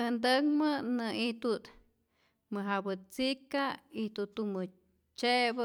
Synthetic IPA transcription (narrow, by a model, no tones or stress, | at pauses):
nd̪əkmɨnɨit̪ut̪ | mɨɦabɨt͡sikait̪ut̪umɨ | t͡ʃebɨ